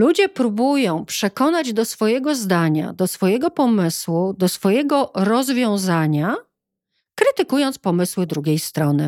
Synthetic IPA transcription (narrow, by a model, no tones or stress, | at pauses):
lud͡ʑɛpɾubujɔ̃w̃pʂɛkɔnad͡ʑd̪ɔsfɔjɛɡɔzd̪aɲa̰d̪ɔsfɔjɛɡɔpɔmɘswud̪ɔsfɔjɛɡɔɾɔzvʲjɔ̃w̃zaɲa | kɾɘt̪ɘkujɔnt̪spɔmɘswɘd̪ɾuɡʲejst̪ɾɔnɘ